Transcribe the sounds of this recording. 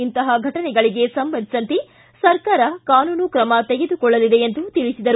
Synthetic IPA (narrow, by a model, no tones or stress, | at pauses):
int̪ɐɦɐɡʱɐʈɐnɛɡɐɭiɡe̞sɐmbɐnd̪ʱisɐnt̪i | sɐɾkaːɾɐkaːnuːnukɾɐmɐt̪e̞ɡe̞d̪ukɔɭːɐlid̪e̞end̪ut̪iɭisid̪ɐɾ